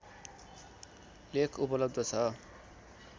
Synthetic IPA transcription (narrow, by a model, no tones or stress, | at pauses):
lekʰupʌlʌb̚d̪ʱʌt͡sʰʌ